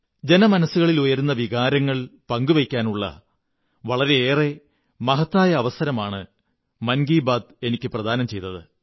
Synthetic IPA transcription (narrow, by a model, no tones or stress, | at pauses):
d͡ʑe̞nɐmɐnɐsːuɣɐɭilujɐɾunːɐʋiɣaːɾɐŋːɐɭpɐŋɡuʋekʲːaːnuɭːɐ̰ | ʋɐɭɐɾe̞eːre̞ | mɐɦɐt̪ːaːjɐːʋɐsɐɾɐmaːɳɨ | mɐnɡiːbaːd̪̚e̞nikʲːɨprɐd̪ʱaːnɐmt͡ɕe̞jt̪ːɐðɨ